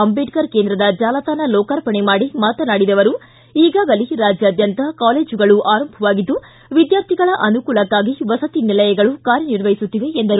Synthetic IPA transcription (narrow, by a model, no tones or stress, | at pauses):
ɐmbeɖkɐɾkend̪ɾɐd̪ɐd͡ʒaːlɐt̪aːnɐlɔːkaɾpɐɳemaːɽimaːt̪ɐnaːɽid̪ɐʋɐɾu | iːɡaːɡɐliɾaːd͡ʒjaːd̪jɐnt̪ɐkaːle̞ːd͡ʒuɡɐɭuʔaːɾɐmbʱɐʋaːɡid̪ːu | ʋid̪jaːɾt̪ʰiɡɐɭɐʔɐnukuːɭɐkːaːɡiʋɐsɐt̪inilɐjɐɡɐɭukaːɾjɐniɾʋɐjisut̪ːiʋeːnd̪ɐɾu